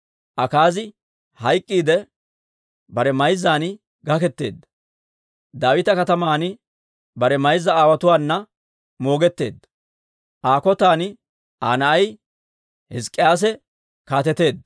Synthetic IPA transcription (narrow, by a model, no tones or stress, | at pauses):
ʔɐkaːzɪ | hɐjkʼːiːd̪ɛ | bɐɾɛmɐjzaːnɪ | ɡɐkɛt̪ːe̞ːd̪ːɐ | d̪aːwɪt̪ɐkɐt̪ɐmaːnɪ | bɐɾɛmɐjzːɐaːwɐt̪ʊwaːnːɐ | mo̞ːɡɛt̪ːe̞ːd̪ːɐ̥ | ʔaːkɔt̪aːnɪ | aːnɐʔɐj | hɪskʼːɪjaːs̬ɛ | kaːt̪ɛt̪e̞ːd̪ːɐ